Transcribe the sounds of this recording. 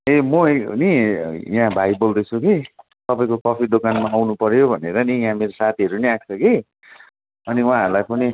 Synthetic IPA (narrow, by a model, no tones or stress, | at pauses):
emʌenijɦãbʱajibold̪ʌt͡sʰuki | t̪ʌpaĩkokʌpʰiɖokanmaːwnupʌɾjobʱʌneɾʌnijɦãmeɾosat̪ʰiɦʌɾuniak̚t͡sʰʌki | ʌniw̃ãɦʌɾulajpʰoni